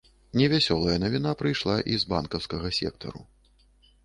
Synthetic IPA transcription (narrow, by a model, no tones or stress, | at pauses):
nʲɛvʲasʲɔlˠɐjɐnɐvʲin̪apɾɨjʂlˠaʔizba̰nkɐwskɐɣɐsʲɛ̰k̚t̪ʰɐ̰ɾṵ